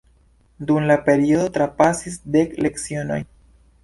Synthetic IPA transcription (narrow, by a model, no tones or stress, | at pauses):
dumlape̞ɾio̞do̞tɾapasis̬de̞kle̞ksio̞no̞̰j